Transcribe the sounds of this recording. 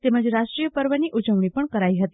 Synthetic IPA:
t̪eməd͡zɾaʂʈɾijəpəɾʋəniːʔud͡ʑəwɳipəɳkəɾaiɦət̪i̥

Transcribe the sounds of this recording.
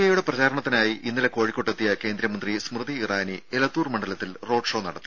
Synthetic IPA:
ɐjuɽe̞prɐt͡ɕaːɾɐɳɐt̪ːinaːjiʔinːileko̞ːɻikʲːo̞ʈːet̪ːijɐke̞ːnd̪ɾɐmɐnd̪rismrɨðiːraːnielɐt̪ːuːrmɐɳɖɐlɐt̪ːilro̞ːɖʂo̞ːnɐ̰ɽɐt̪ːɨ

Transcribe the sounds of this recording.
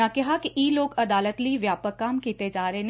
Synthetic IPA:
akɐɦakiʔiːloːɡɐd̪aːlət̪liʋjaːpəkːaːmkiːt̪ed͡ʒaːɾəen

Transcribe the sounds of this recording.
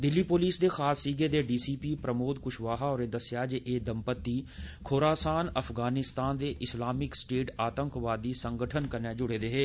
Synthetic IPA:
d̪ɪlːipoːliːsd̪exaːsːiːɡed̪eɖiːsiːpipɾəmoːd̪̚kʊʃʋaːɦaɔːɾed̪ɐsjaːd͡ʒeʔeːd̪əmpət̪ːikʰoːɾaːsaːnɐfɡaːnɪst̪aːnd̪eʔɪslaːmɪksʈeːʈʰaːt̪ə̃ŋkʋaːd̪isə̃ŋɡəʈʰənkəɾned͡ʒʊɽed̪eɦeː

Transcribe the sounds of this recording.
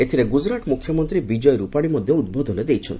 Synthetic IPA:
et̪ʰiɾeɡud͡ʒɾaʈmukʰjɔmɔnt̪ɾibid͡ʒɔjɾupaɽ̃imɔd̪ʱjoud̪̚bɔd̪ɔned̪ejt͡ʃʰɔnt̪i

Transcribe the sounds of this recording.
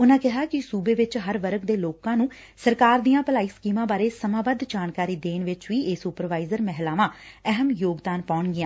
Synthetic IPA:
ʊnãːkɪɦaːkɪsuːbeːʋɪt͡ʃɦəɾʋəɾəkd̪eːloːkãːnũː | səɾkaːɾd̪ijãːpəlaːiːskiːmãːbaːɾeːsəmãːbəd̪d͡ʒaːnkaːɾiːd̪eːnʋɪt͡ʃʋiːʔesupəɾʋaːɪzəɾmɛɦlaːʋãː | ɛɦəmjoːɡd̪aːnpaːʊɳɡɪãː

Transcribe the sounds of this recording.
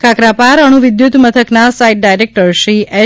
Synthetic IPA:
kakɾapaɾəɽ̃uʋɪd̪jut̪mət̪ʰəknasaiʈ̚ɖajɾek̚ʈəɾʃiʔe

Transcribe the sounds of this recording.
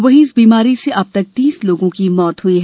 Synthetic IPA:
ʋɐɦĩɪsbiːmaːɾiseʔɐb̚t̪ɐk̚t̪iːsloːɡõkimɔːt̪ɦʊiɦɛ

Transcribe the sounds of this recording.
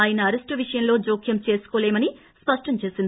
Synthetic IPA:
aːjɐnɐɐɾesʈɨʋiʂɐjɐmlo̞ːd͡ʒoːkʰjɐmt͡ʃe̞ːsu̥koːleːmɐni | spɐʂʈɐmt͡ʃe̞ːsind̪i

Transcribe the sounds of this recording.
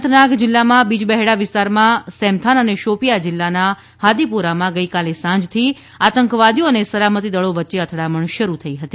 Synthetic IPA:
t̪ʰnakd͡ʒɪlːamãbid͡ʒbɛɦeɽaʋɪst̪aɾmãsɛ̃mt̪ʰanəneʃopijad͡ʒɪlːana | had̪ipuɾamãɡəikalesãɲd͡ʒt̪ʰi | at̪əŋkʋad̪ioənesəlamət̪id̪əɭoʋətːʃeət̪ʰɽaməɳʃəɾut̪ʰəiɦət̪i

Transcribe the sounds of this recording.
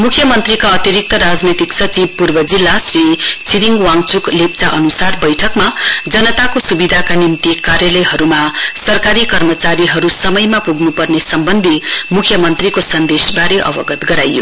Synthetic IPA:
mukʰjʌmʌnt̪rikaʌt̪iɾik̚t̪ʌɾad͡znet̪iksʌt͡sib̚purbʌd͡zilːasrit͡siɾiŋɡwaŋt͡suklep̚t͡saʔʌnusarbʌjʈʰʌkmad͡zʌnʌt̪akosubid̪ʱakanimt̪ikaɾjʌlʌjɦʌɾumasʌrkaɾikʌrmʌt͡saɾiɦʌɾusʌmʌjmapuɡnupʌrnesʌmbʌnd̪ʱimukʰjʌmʌnt̪rikosʌnd̪esbaɾeʔʌ̰bʌɡʌt̪ɡʌɾajːo̰

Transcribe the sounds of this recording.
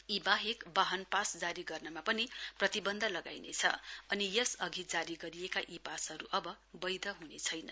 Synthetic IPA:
ibaɦekbaɦʌnpasd͡zaɾiɡʌrnʌmapʌniprʌt̪ibʌnd̪ʱʌlʌɡa̰jnḛt͡sʰʌ̰ʌnijʌsʌɡʱid͡zaɾiɡʌɾijekaʔipasɦʌɾuʔʌbʌ | bʌjd̪ʱʌɦunet͡sʰʌjnʌ̰

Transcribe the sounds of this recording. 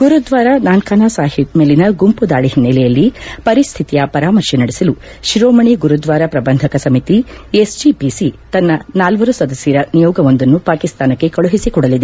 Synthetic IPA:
ɡ̥uɾud̪ʋaːɾɐnaːnkaːnaːsaːɦimeːlinɐɡumpud̪aːɭiɦinːɐlɛjɐlːipɐɾist̪ʰit̪ijɐpɐɾaːmɐɾʃinɐɽisɐlu | ʃɾoːmɐɳiɡuɾud̪ʋaːɾɐpɾɐbɐnd̪ʱɐkɐsɐmit̪iesd͡ʒipisit̪ɐnːɐnaːlʋɐɾusɐd̪ɐsjɐɾɐnijɔːɡɐʋond̪ɐnːupaːkist̪aːnɐkːe̞kɐɭuɦisikɔɽɐlid̪e

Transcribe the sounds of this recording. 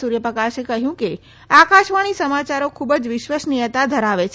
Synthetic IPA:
suɾjəpəkaʃekəɦjũke | akaʃʋaɽ̃isəmat͡ʃaɾokʰubəd͡ʒʋɪʃʋəsnijət̪ad̪ʱəɾaʋet͡ʃʰ

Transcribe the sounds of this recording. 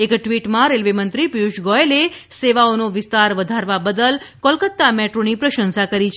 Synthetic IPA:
ekʈʋiʈmãɾelʋemənt̪ɾipuʃɡɔeleseʋaonoʋɪst̪aɾʋəd̪ʱaɾʋabəd̪əlkɔlkət̪ːamɛʈɾonipɾəʃənsakəɾit͡ʃʰe

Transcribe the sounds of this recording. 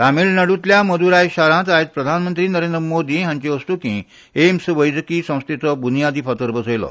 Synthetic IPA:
t̪amiːlnəɽut̪ljaməd̪uɾajɕaɾãt̪ajet̪̚pɾəd̪ʱanmənt̪ɾiːnəɾend̪ɾəmod̪iːɦjãɲt͡ɕeəsʈ̪ukĩ | emsʋəjd͡zkiːsə̃w̃st̪ʰet͡sɔbunijad̪iːfət̪əɾbəsəjlɔ̰

